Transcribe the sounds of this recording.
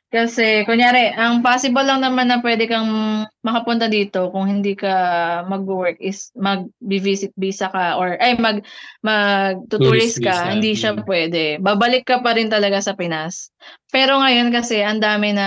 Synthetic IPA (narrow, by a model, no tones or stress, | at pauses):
kɐsɛkʊŋjaːɾɛʔɐŋpaːsɪbolːɐŋnɐmanːɐpwɛd̪ɛkɐŋmɐkɐpʊnt̪ɐd̪iːt̪o̞kʊŋhɪnd̪iːkɐmɐɡ̚wɛɹk̚ɪsmɐɡ̚bɪvisɪt̪̚bisɐkɐʔoɹʔɐjmɐɡ̚mɐɡ̚t̪ʊt̪uɹɪskɐhɪnd̪iʃapwɛːd̪ɛbaːbɐlɪkːɐpɐɾɪnt̪ɐlɐɡasɐpɪnaspɛːɾo̞ŋɐjo̞nkɐsɛʔɐnd̪aːmɪnɐ